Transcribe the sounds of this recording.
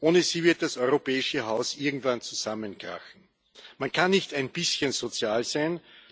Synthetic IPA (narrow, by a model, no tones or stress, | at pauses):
ʔoːnəziːvɪɐt̚d̥asɔʏʁopɛːɪʃəɦaʊsʔɪɐɡŋ̩tv̥ant͡suz̥amənɡ̥ʁa̰xn̩ | mankʰanːɪçtæɪnb̥ɪsçənz̥ot͡sjaːlzæɪn